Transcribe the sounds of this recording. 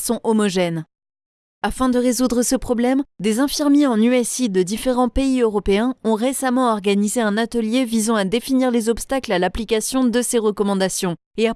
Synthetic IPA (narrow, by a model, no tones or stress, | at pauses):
sɔ̃ʔɔmɔʒɛn | afɛ̃d̪əʁezud̪ʁəsəpχɔblɛmd̪ezɛ̃fiʁmjeɑ̃nyɛsid̪əd̪ifeʁɑ̃peiøʁɔpeɛ̃ɔ̃ʁesamɑ̃ɔʁɡanizeɛ̃nat̪əljevizɑ̃ad̪efiniʁlezɔpst̪aklalaplikasjɔ̃d̪əseʁəkɔmɑ̃d̪asjɔ̃ | ea